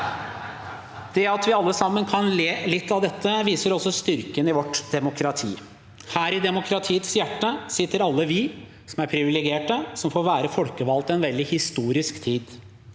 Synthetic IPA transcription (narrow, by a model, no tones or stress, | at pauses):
d̪̥ɛɑt̪ʋɪɑlːəsɑmːənkʰɑnleːlɪt̪ːɑʋd̪ɛt̪ʰːəʋiːsəɾɔsːɔst̪ʏɾkənɪʋɔʈd̪̥ɛmʊkʰɾɑt̪ʰḭː | hæːɾɪd̪ɛmʊkʰɾɑt̪ʰiːət̪sjæʈːəsɪt̪ːəɾɑlːəʋɪ | sɔmæɾpʰɾɪʋɪlɪɡeːʈəsɔmfoːɾʋæːɾəfɔlkəʋɑlt̪ɛnʋɛld̪ɪhɪst̪uːɾɪskt̪ʰiːd̪